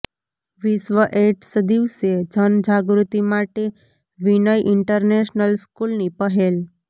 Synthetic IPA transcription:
ʋisʋəʔeʈsəd̪iʋsed͡ʒənd͡ʒaɡɾut̪imaʈe | ʋinəjʔɪɳʈəɾneʃnəlskulnipəɦel

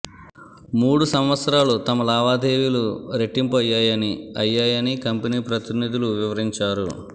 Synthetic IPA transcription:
muːɽusɐmʋɐt̪sɐɾaːlut̪ɐmɐlaːʋaːd̪eːʋiluɾe̞ʈːimpɐjaːjɐniɐjːaːjɐnikɐmpɐniːpɾɐt̪inid̪ʱuluʋiʋɐɾiɲt͡ʃaːɾṵ

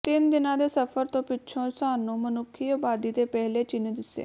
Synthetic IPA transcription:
t̪ɪnd̪ɪnãːd̪eːsəpʰəɾt̪õːpɪːʃʰõːsaːnnũːmənʊkʰːiːaːbaːd̪iːt̪eːpɛɦleːt͡ʃɪnd̪ɪsːḛː

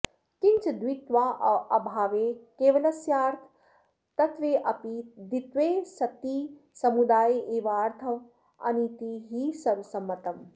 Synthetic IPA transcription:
kɪ̃nt͡ʃd̪ʋit̪ʋaːɐbʱaːʋekeːʋɐlɐsjaːɾt̪ʰ | t̪ɐt̪ʰʋeːʔɐpid̪it̪ʋeːsɐt̪i | sɐmud̪aːʔeːʋaːɾt̪ʰɐʋ | ɐ̰nit̪iɦiːsɐɾsɐmːɐt̪ɐm

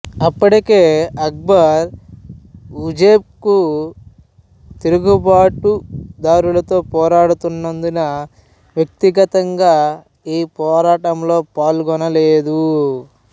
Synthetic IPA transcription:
ɐpːuɽike̞ːɐɡ̚bɐɾ | ud͡ʒeːp̚ku | t̪eɾuɡubaːʈud̪aːɾulɐt̪o̞ːpɔːɾaːɽut̪unːɐnd̪unɐ | ʋjɐk̚t̪iɡɐt̪ɐŋɡaː | iːpɔːɾaːʈɐmlo̞ːpaːlɡɔnɐle̞ːd̪u

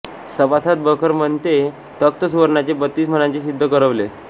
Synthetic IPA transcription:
səpasat̪̚bʱəkʰəɾməɳt̪e | t̪ək̚t̪əsuʋəɾɳat͡ɕebət̪ːiːsm̤ənat͡ɕesid̪ʱːəkəɾəʋle

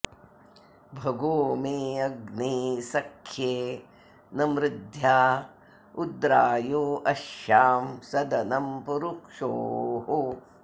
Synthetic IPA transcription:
bʱɐɡoːmeːɐɡneːsɐkʰjeː | nɐmɾɪd̪ʱjaː | ud̪ɾaːjoːʔɐʃjaːmsɐd̪ɐnɐmpuɾukʂoːɦo

